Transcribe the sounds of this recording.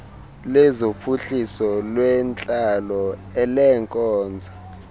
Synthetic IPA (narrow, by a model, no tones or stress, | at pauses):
lɛzopʰuɬisɔlwɛnt͡ɬʼalɔɛlɛŋkʼɔːnd͡zʱa